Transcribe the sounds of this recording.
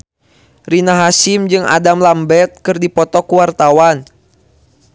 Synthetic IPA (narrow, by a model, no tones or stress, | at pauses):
rinaɦasimd͡ʒɨŋa̰damlambɛt̪̚kɨrdipɔt̪ɔkuwart̪awan